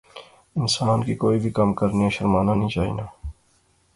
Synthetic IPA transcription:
ɪnsaːnkikoːibʱikɐmkɐɾneaʃɐɾmaːnanɐɦĩt͡ʃaːḭːnaː

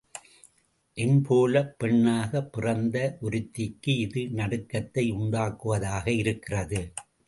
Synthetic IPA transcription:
ʔɛnpʰoːlɐpːɛɳːaːɣɐpːɪrɐnd̪ɐʔʊɾɪt̪ːɪkːɯɪðɯnɐɽɯkːɐt̪ːɐɪʊɳɖaːkːɯʋɐðaːɣɐɪɾɯkːɪrɐðɯ

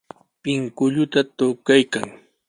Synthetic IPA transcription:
pɪŋkʊʎʊt̪at̪ʊkajkaŋ

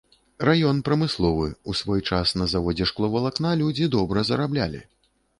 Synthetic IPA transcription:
rajɔnpɾɐmɨslˠɔvɨusvɔjt͡ʂasnɐzavɔd͡zʲɛʂklˠɔvɐlˠaknalʲud͡zʲid̪ɔbɾɐzɐɾablʲa̰lʲḭ

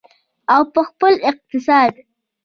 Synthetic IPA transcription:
awpəxpəlɪq̚t̪ɪsɑd̪

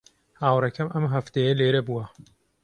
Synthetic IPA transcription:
haːwɾɐkʰɐmʔɐmɦɐft̪ejɐleːɾɐbuwɐ

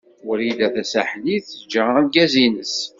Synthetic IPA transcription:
ʊɾid̪æθæsæħliθəd͡ʒːanɡæzinəs

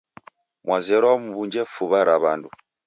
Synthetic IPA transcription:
mwazɛɾwamuβuɲd͡ʒɛfuβaɾaβandu

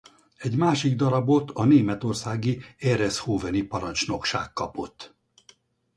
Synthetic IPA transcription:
ɛɟmaːʃiɡd̪ɒɾɒbo̞t̪ʰɒneːmɛt̪o̞rsaːɡiɛɾɛshoːvɛnipɒɾɒnt͡ʃno̞kʃa̰ːkːɒpo̞t̪ː

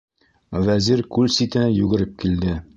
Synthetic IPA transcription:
væziɾkʉlsit̪ɘ̆nɘjʉɡɘ̆ɾɘp̚kild̪ɘ

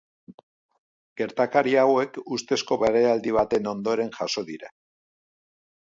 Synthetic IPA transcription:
ɡ̥e̞ɾt̪akaɾiawe̞kust̪e̞sko̞βe̞ɾeald̪iβ̞at̪e̞no̞nd̪o̞ɾe̞nʝaso̞ðiɾa

